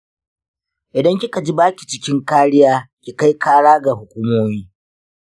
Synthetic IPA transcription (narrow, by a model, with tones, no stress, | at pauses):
ʔɪ˨dɐ˦ŋkʲɪ˦ka˨d͡ʒi˦baː˦kʲi˨t͡ʃɪ˦kʲɪ˦ŋkaː˦ɽɪ˦jaː˦kʲi˨ka˦jkaː˦ɽaː˦ɡa˨ɦʊ˨kʷuː˦moː˦miː˦